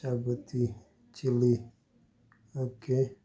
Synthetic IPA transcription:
abət̪i | t͡ʃili | oke

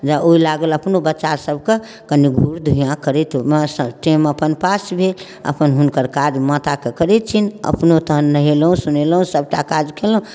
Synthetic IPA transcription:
d͡ʒaoilaɡələpnobətːʃasəbʱke | kəniɡʱuɾd̪ʱuijãkəɾɛt̪ɦomesəʈeməpənpasbʱel | ə̰pənɦunkəɾkaɾmət̪akekəɾɛt̪̚t͡ʃʰinə̰pnot̪əɦənːəɦelɦũsunelɦũsəb̚ʱʈakad͡ʒkelũ

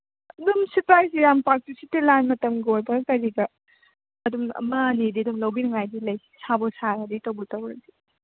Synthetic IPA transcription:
numsipɾajsiɾampak̚tisitilanmɐtɐmɡojbɐɡkɐɾiɡɐ | ɐdumɐ̰manididumlɐwbinɐŋajdilɐjsi̥sabosaɾɐditɐwbɔtɐwɾɐzi

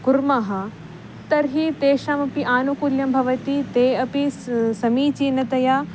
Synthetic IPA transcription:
kuɾmɐɦɐ | t̪ɐɾɦit̪eːʃɐmɐpiʔaːnukuljɐmbʱɐʋɐt̪it̪eːɐpisɐmiːt͡ʃiːnɐt̪ɐjaː

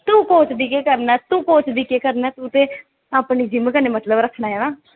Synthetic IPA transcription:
t̪ũːkoːt͡ʃbiːkeːkəɾnaːt̪ũːkoːt͡ʃbiːkeːkəɾnaːt̪ũːt̪eː | aːpniːd͡ʒɪmkəneːmət̪ləbɾəkʰnaːɛːnaː

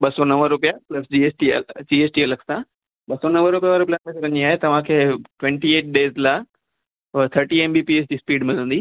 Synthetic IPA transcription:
ɓɐsonɐ̃məɾʊpijaplɐsd͡ʑieːsʈid͡ʑiːeːsʈiɐləksã | ɓɐsonɐmʋəɾʊpijaʋaɾʊpijaẽkʰeɾɐ̃ɲĩaːɦet̪ɐʋ̤ãkʰeːʈʋɛ̃ɳʈieːʈ̚ɖeːzla | t̪ʰəɾʈiẽːmbiːpieːs̬d͡ʑiːspiːɖmɪ̃d̪ə̃nd̪iː

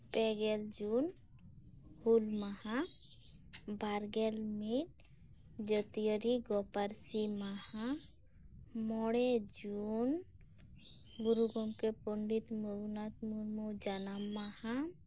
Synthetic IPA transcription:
pɛɡɛld͡ʒun | hulmaha | bʱaɾɡelmiɾ | d͡ʒət̪ijəɾiɡɔpaɾsimaha | mɔɽed͡ʒun | ɡuɾuɡɔmkepɔɳɖit̪mɔnat̪muɾmɔd͡ʒanamːaha

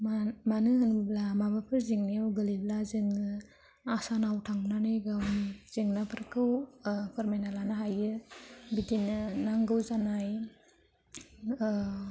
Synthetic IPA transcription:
mamanɯhɯnblamabapʰɯɾziŋniawɡɯliblazɯŋɯ | asanawtʰaŋnanɯjɡawnz̥iŋnapʰɯɾkʰɯwpʰɯɾmajnalanaɦajɯbidinɯnaŋɡɯwzanaj

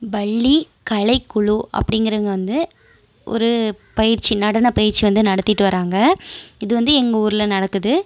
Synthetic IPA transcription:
bɐɭːi | kɐɭɐɪkːʊɭuʔɐ̰pːɐɽɪŋɡɪɾɐɐŋɡɐʋɐnd̪ɯ | ʔɔ̰ɾɯpɐjɪɾt͡ʃːinɐɽɐnɐpɐjɪɾt͡ʃːiʋɐnd̪ɯnɐɽɐt̪ːɪʈːɯʋɐɾaːŋɡɐɪðɯʋɐnd̪ɯɛŋɡɐuːɾɪlɐnɐɽɐkːɯðɯ

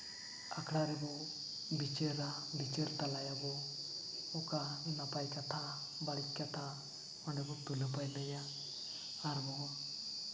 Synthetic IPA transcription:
akʰɽaɾebɔ | bit͡ʃeɾabit͡ʃeɾt̪alajabɔ | ukanapajkat̪ʰa | baɽikːat̪ʰa | ɔɳɖebɔt̪uləpajləjaː | ɾmɔɦa

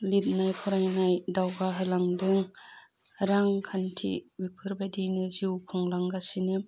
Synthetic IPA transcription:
lit̚najpʰɔɾajnajdawɡaɦɯlaŋdɯŋ | ɾaŋkʰantʰḭbipʰɯɾbadinɯziwkʰɯŋlaŋɡasinɯm

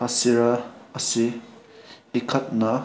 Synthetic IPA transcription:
ɐsiɾɐɐsiː | kʰɐt̚nɐ

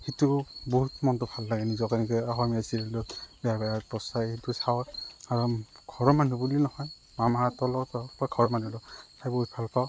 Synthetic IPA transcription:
hitubɔɦutmɔntɔbʰʱalːaɡɛnizɔkanɛkɯaxɔmiasiɾɛlɔbɛjabajapɔsajhitusawaɹɔɡʰɔɹɔmanubulinɔhɔj | mamatɔlɔtɔaɡʰɔɹɔmanulɔtʰajbɔɦut̚b̥ʱalpʰaw

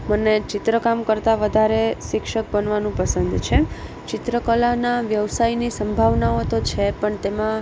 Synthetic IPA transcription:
mənet͡ʃɪt̪ɾəkamkəɾt̪aʋəd̪ʱaɾeʃɪkʃək̚bənʋanũpəsənd̪t͡ʃʰe | t͡ʃɪt̪ɾəkəlanaʋjəʋsajnisə̃mbʱaʋnaot̪ot͡ʃʰepəɳt̪emã

